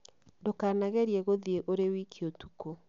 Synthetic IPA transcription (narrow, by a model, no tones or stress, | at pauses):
ndokaːnaɣɛɾiɛɣoðieʔoɾewikʰiotuko